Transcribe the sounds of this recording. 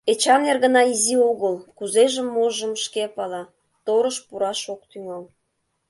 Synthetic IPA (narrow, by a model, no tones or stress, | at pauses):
et͡ɕɑmnerɣə̆nɑizioɣəlkuzeʒə̆mːoʒəmʃkepɑlɑ | t̪oɾəʃpuɾɑʃok̚t̪yŋɑl